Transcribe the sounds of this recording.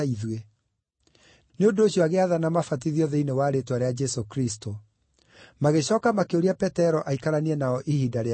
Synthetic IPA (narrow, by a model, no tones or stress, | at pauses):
iðwe | neondoːɕiɔaɣeaðanamafat̬iðiɔðeinewaɾetwaɾead͡ʒɛsokɾisto | maɣeɕɔːkamakeoɾiapɛtɛɾɔʔaikaɾaniɛnaɔʔihidaɾe